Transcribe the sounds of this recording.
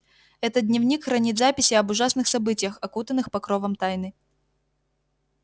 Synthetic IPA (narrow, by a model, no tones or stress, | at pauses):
ɛt̪ət̪̚dʲnʲɪvnʲikxɾɐnʲit̪zapʲɪsʲɪɐbʊʐasnɨxsɐbɨtʲɪjəxɐkut̪ənːɨxpɐkɾovəmt̪ajnɨ